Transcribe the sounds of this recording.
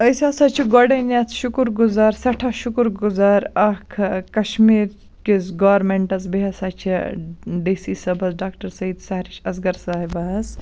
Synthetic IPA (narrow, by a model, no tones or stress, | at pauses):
əsʲaːsɐt͡ʃʰiɡɔɖɐnjɐt͡sʰʃukɾɡuzaːɾsɐʈʰaʃukɾɡuzaːɾɐkʰkɐʃmiːɾ | kizɡɐːɾmeɳʈɐt͡sbiɦɐsɐt͡ʃʰiɖeːsiːsɐbɐzɖaːkʈɐɾsɐid̪sɐɦɾiʃɐzɡɐɾsaːɦibɐɦɐs